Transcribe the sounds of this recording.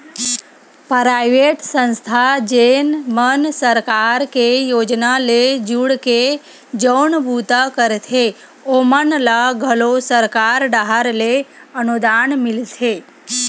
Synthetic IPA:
pɾajʋeʈsə̃nst̪ʰad͡ʒenmənsəɾkaɾkejod͡ʒnaled͡ʒuɽke | d͡ʒəwɳbut̪akəɾet̪ʰe | omənlaɡʱəlosəɾkaɾɖaɦaɾleənud̪anmiltʰe

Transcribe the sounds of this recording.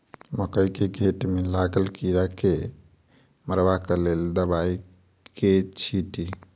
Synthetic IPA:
məkəjkeɡʱeʈmelaɡəlkiɾake | məɾbakəleld̪əbai | ket͡ʃʰiʈi

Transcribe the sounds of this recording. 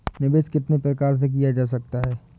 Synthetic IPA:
nɪbeːʃkɪt̪nepɾɐkaːɾs̬ek̬ijad͡ʒaːs̬ɐk̚t̪aɦɛː

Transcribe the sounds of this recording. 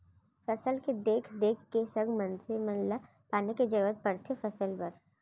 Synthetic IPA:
fɐsəlked̪eːkʰd̪eːkʰkesɐɡmɐ̃nsemənla | paːneked͡ʒɐɾuːɾət̪̚pɐɽt̪ʰefɐsəlbɐɾ

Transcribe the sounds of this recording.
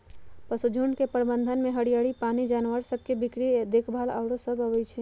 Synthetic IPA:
pəsud͡ʒʱuɳɖkepəɾbə̃nd̪ʱənmẽɦəɽijaːɽipaːnid͡ʒaːnʋəɾsəb̚kebɪkɾid̪ekʰbʱaːla̰ʊɾosəbʱəʋəjt͡ʃʰe

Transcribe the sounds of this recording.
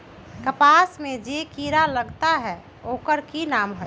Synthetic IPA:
kəpasmẽd͡ʒekiɾaləɡt̪aɦɛ | oːkəɾkinaːmɦo

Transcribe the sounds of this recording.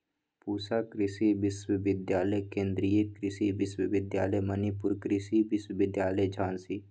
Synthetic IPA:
puːsakɾɪsiʋɪswəʋɪd̪jaːləjkẽːnd̪ɾijekɾɪsiʋɪswəʋɪd̪jaːləjmɐnipʊɾkɾɪsiʋɪswəʋɪd̪jaːləjd͡ʒʱãːnsiː

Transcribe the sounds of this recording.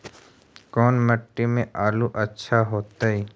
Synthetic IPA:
kɔːnməʈːimẽʔaːluʔətːʃʰaɦoːt̪aɦiː

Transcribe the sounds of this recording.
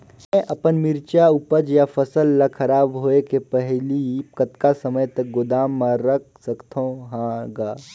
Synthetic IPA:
mɛ̃ʔɐpənmɪɾt͡ʃaʊpəd͡ʒjafʰəsəlːakʰɐɾaːbɦoːekepɛɦlikət̪kasɐməjt̪ɐk̚ɡʊd̪aːmːãɾɐk̚ʰsɐkt̪ʰõɦãɡaː

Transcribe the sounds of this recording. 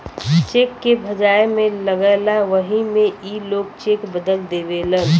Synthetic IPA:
t͡ʃeːkːebʱəd͡ʒaːemẽləɡəlaʋəɦĩmẽʔiloːɡt͡ʃekbəd̪əld̪ebelən

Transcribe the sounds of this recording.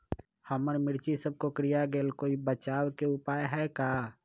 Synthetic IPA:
həməɾmɪɽt͡ʃisəb̚kokɾijaɡeːlkoːibət͡ʃaːwkeʊpaːjɦɛkaː

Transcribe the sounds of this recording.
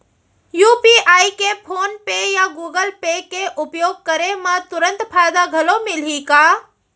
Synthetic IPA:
juːpiaːikepʰoːnpejaɡuːɡəlpekeʔʊpjoːɡ̚kəɾemãt̪ʊɾə̃nt̪pʰaːjd̪aɡʱɐlomɪlikaː

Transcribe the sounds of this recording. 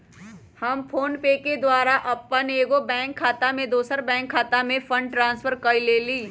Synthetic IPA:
hɐmfʰoːnpeːked̪waːɾaʔɐpːaneeːɡobɛ̃ːŋkʰːaːt̪amẽd̪oːsəɾbɛ̃ːŋkʰːaːt̪amẽfʰɐ̃ɳɖʈɾãːnsfʰəɾkɐileːliː

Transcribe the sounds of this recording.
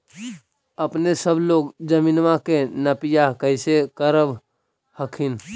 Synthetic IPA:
əpnesəbʱloːɡd͡ʒəminʋakenəpijakəɪsekəɾəb | həkʰin

